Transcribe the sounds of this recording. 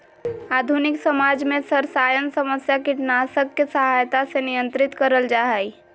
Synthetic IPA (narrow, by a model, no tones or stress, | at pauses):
aːd̪ʱunɪksɐmaːd͡ʒmẽsəɾsaːjənsəməsjakiʈnaːsəkːesɐɦaːjt̪asenɪjə̃nt̪ɾɪt̪kəɾəld͡ʒaːɦaːi